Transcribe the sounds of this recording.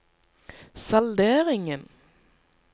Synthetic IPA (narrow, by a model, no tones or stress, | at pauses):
sɑld̪eːʁɪŋən